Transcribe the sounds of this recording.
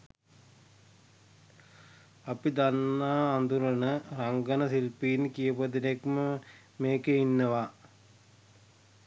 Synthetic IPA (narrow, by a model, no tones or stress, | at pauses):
ɐpid̪anːaːnd̪uɾənəɾaŋɡənəsilpiːnkijəpəd̪inekmə | meːkeinːəʋa